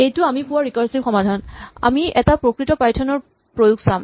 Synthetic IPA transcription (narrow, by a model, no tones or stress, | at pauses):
ejtʊamipuwaɹikaɹsibxɔmadʱana̰miɛtapɹokɹitɔpajtʰɔnɔɹ | pɹojuk̚sam